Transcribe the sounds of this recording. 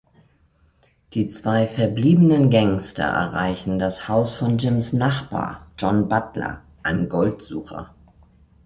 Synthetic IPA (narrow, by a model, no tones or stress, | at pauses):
d̥iːt͡sv̥aɪfɛɐbliːbənənɡɛŋstʰɐ̰ʔɛ̰ɐʁa̰ɪçn̩dashaʊsfɔnd͡ʒɪmsnaχb̥a̰ːɐd͡ʒɔnbatlɐ̰ | ʔaɪnəmɡɔltz̥uːxɐ̰